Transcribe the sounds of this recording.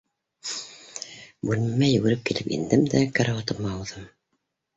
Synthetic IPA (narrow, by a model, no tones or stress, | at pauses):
bʉlmæjɵ̆ɡɘ̆ɾɘp̚kilɘpḭnd̪ɘmd̪ækæɾawɑt̪ɤmɑːwðɤm